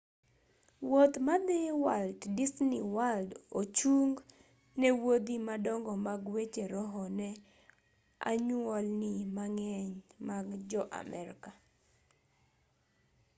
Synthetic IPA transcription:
wot̪mad̪ɪwaltdisniwaldot͡ʃuŋɡ | nɛwod̪imadɔŋɡɔmaɡwet͡ʃeɾɔɦɔnɛ | a̰ɲwɔlnimaŋɛɲmaɡd͡ʒɔʔa̰mɛ̰ɾka

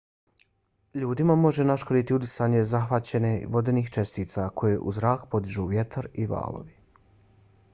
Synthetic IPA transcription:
ʎuːd̪imamo̞ʒenaʃkod̪it̪iud̪isaːɲe̞zaxʋat͡ɕe̞neʋo̞d̪eniːxt͡ʃe̞st̪iːt̪sakʰo̞jeʔuzɾaːkpo̞d̪iʒuːʋje̞t̪ʰaɾiʋa̰ːlo̞̰ʋi

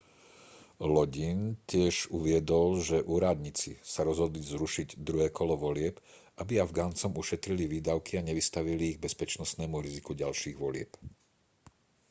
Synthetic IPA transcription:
lɔɟincɪɛʒuʋɪɛd̪ɔlʒɛʔuːɾad̪ɲit͡sisaɾɔzɦɔd̪lizɾuʃiɟd̪ɾuɦɛːkɔlɔʋɔlɪɛp | abiavɡaːnt͡sɔmuʃɛt̪ɾiliʋiːd̪aʊkiaɲɛʋist̪aʋiliːɣ̚bɛspɛt͡ʃnɔsnɛːmuɾizikuɟalʃiːɣʋɔlɪɛp

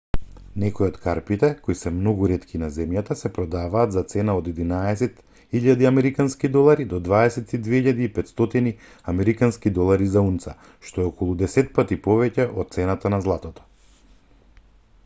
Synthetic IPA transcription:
nɛkɔjɔt̪kaɾpit̪ɛkoisɛmnɔɡuɾɛt̪kʰinazɛmjat̪asɛpɾɔd̪avaːt̪zat̪sɛnaod̪ɛd̪inaɛsɛt̪ | iʎad̪iamɛɾikanskid̪ɔlˠaɾid̪ɔd̪vaɛsɛt̪id̪vɛiʎad̪iːpɛt̪st̪ɔt̪ini | amɛɾikanskid̪ɔlˠaɾizaunt̪sa | ʃt̪ɔɛɔkɔlˠud̪ɛsɛt̪̚pat̪ipɔvɛcɛʔɔt̪̚t̪sɛnat̪anazlˠat̪ɔt̪ɔ̥

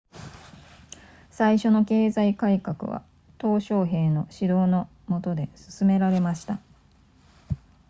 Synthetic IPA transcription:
saiɕo̞no̞ke̞ːzaikaikakɯ̟̰βa̰ | t̪o̞ːɕo̞ːɦe̞ːno̞ɕid̪o̞ːno̞ | mo̞t̪o̞d̪e̞sɨ̥sɨme̞ɾaɾe̞maɕi̥t̪a

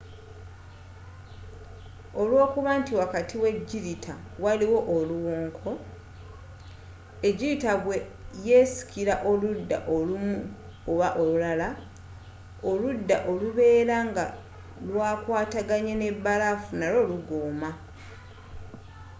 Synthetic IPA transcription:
o̞lwo̞ːkuβaːntiwakatʰiwe̞ɟːiɾitʰa | waliwo̞ʔoluwoːŋkʰo̞ | e̞ɟːiɾitaβweje̞ːsi̥kiɾaʔo̞ludːa̰ʔolumu | oβaʔo̞lulala | oludːa̰ʔo̞luβe̞ːɾaŋɡa | lwaːkwaːtaɡaɲene̞bːalafunalo̞ːluɡoːma

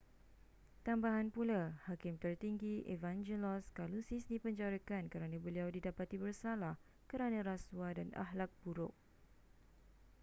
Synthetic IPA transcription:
t̪ambaɦanpulahakɪmt̪ərt̪iŋɡiʔevand͡ʒelɔskalusisdipəɲd͡ʒaɾakankəɾanãbəliawdidapat̪ibərsalah | kəɾanãɾaswadana̰ɦlak̚b̥uɾʊk̚

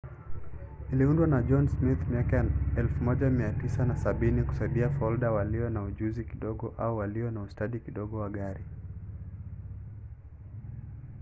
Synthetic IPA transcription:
niliundwanaʄɔnsmit̪miakajnɛlfumɔʄamiatisanasaɓiniku̥saiɓiafɔlɗawaliɔnauʄuzikiɗɔɠɔʔauwaliɔnaustaɗikiɗɔɠɔwaɠaɾi

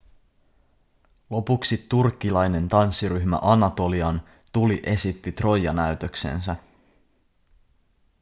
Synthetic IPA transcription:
lo̞puksit̪ːurkːilɑjne̞nt̪ɑnsːiɾyçmæ̰ʔɑnɑt̪o̞liɑn | t̪uliʔe̞sit̪ːit̪ro̞jːɑ̰næyt̪ø̞kse̞̰nsæ

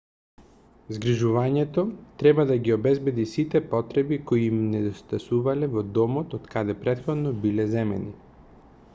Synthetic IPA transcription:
zɡɾiʒuvaɲɛt̪ot̪ɾɛbad̪aɡiobɛzbɛd̪isit̪ɛpɔt̪ɾɛbikoiːmnɛd̪ost̪asuvalɛvɔd̪ɔmot̪ot̪kad̪ɛpɾɛt̪xɔd̪nɔbilɛzɛmɛ̰ni

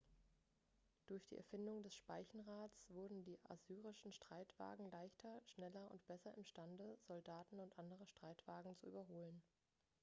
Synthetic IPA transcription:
d̥ʊɐçd̥ḭːʔɛ̰ɐfɪndʊŋdɛsʃpaɪçn̩ʁaːt͡sv̥ʊɐdn̩diːʔa̰zyːʁɪʃn̩ʃtʁ̥aɪtv̥a̰ːɡŋ̩laɪçtʰɐʃnɛlɐʊ̰ntb̥ɛsɐʔɪmʃtandəzɔldaːtn̩ʊntʔandəʁ̞əʃtʁ̥aɪtv̥aːɡŋ̩t͡suʔyːbɐɦoːlən

